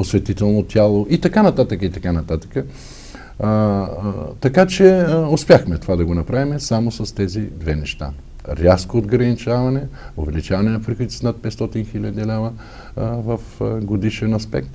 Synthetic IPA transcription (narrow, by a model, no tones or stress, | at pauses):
osvɛt̪it̪ɛlˠnot̪ʲalˠoʔit̪ɐkanɐt̪at̪əkəit̪ɐkanɐt̪at̪ə̥kə | t̪ɐkat͡ʃɛospʲjaxmɛt̪ovad̪ɐɡonɐpɾavimɛsamosɐst̪ɛzid̪vɛnɛʃt̪a̰ | ɾʲjaskoːd̪ɡɾɐnit͡ʃavɐnɛovɛlit͡ʃavɐnɛnɐpɾixoii̥snat̪̚pɛt̪st̪ɔt̪inxilʲəd̪ilɛvɐ | vɐfɡod̪iʃɛnɐspɛ̰k̚t̪